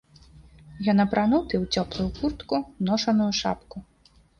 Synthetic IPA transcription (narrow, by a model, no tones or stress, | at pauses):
jɔnɐpɾʔanut̪ɨwt͡sʲɔplˠujukurt̪kunɔʂɐnujuʂa̰pku